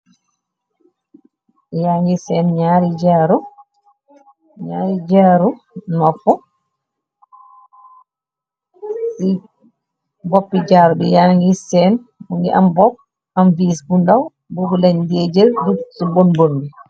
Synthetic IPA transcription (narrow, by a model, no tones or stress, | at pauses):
jaːŋɡisɛːnɲaːɾid͡ʒaːɾu | ɲaːɾid͡ʒaɾu | mafɔ | si | bopːid͡ʒaːɾubɛjaŋɡisɛn | uŋɡḭʔambɔp̚ | amviːsɡundaw | bobulaɲdeːd͡ʒɛɾdusibonbonbi